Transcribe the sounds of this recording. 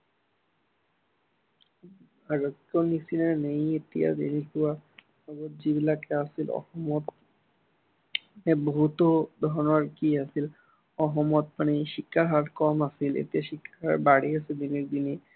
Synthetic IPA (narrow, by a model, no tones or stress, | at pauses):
aɾokkːonisineɾnejet̪ija̰d̪ḛnikua | ɔbot̪̚d͡ʑibilakeasilɔ̰hɔmɔt̪ | ebut̪od̪ʱɔɾnaɾkiasil | ɔɦɔmɔt̪̚pañiʃikʰːaɾɦaɾkɔmasilḛt̪iaʃikʰːaɾaɾbaɽiasid̪ineɾd̪ini